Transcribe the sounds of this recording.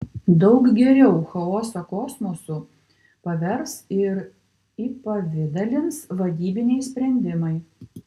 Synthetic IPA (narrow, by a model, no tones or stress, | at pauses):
d̪ɒʊkɡʲɛɾʲɛʊxɐɔːsokɔsmɔsʊ | pɐʋʲɛɾsɪɾ | iːpɐʋʲɪd̪ɐlʲɪnsʋɐd̪ʲiːbʲɪnʲɛɪsʲpʲɾʲɛnʲd̪ʲɪmɐɪ